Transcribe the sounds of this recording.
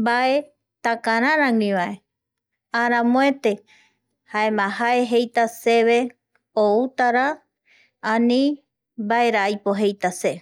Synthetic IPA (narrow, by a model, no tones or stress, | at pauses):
baʔe̞ | t̪akaɾãɾãŋĩʋae̞ | ãɾ̃ãmõet̪e̞ | haemãɦae̞ɦejt̪aseβe | out̪aɾa | ãnĩ | baeɾaajpoɦe̞jt̪ase